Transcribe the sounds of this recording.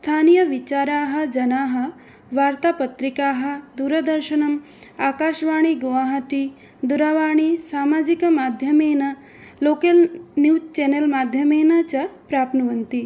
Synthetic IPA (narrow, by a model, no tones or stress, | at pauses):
st̪ʰaːnijɐʋit͡ʃaːɾaːɦɐ̆d͡ʒɐnaːɦɐ̆ | ʋaːɾt̪aːpɐt̪ɾikaːɦɐ̆d̪uːɾɐd̪ɐɾʃɐnɐm | aːkaːʃʋaːɳ̃iɡoʋaːɦɐt̪i | d̪uɾaʋaːɳ̃isaːmaːd͡ʒikɐmaːd̪ʱjɐmeːnɐ | loːkɐlnjust͡ʃenelmaːd̪ʱjɐmeːnɐt͡ʃɐpɾaːpnɐʋɐnt̪i